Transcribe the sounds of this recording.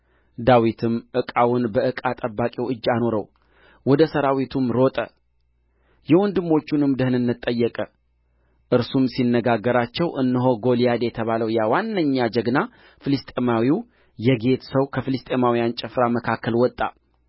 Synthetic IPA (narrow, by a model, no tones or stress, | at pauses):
d̪awit̪ʰɨmʔɨkʼawʊnbəɨkʼat̪ʼəbːakʼewɨd͡ʒːano̞ɾəw | wɔd̪əsəɾawit̪ʰumɾo̞t̪ʼə̰ | jɛwɔnd̪ɨmːo̞t͡ʃːunɨmd̪əhɨnɨnːɨt̪ʼːəjːɛkʼə | ʔɨɾsumsinːəɡaɡːəɾat͡ʃːɛwʔɨnːɨɦo̞ɡo̞lijad̪ejɛt̪ʰəβaləwjawanːəɲːad͡ʒəɡna | fɨlɨst̪ʼemawiw | jɛɡe̞t̪səwkʰəfɨlɨst̪ʼe̞mawijant͡ʃʼɛfɾaməkʰakʰːəlwɔt̪ʼːa̰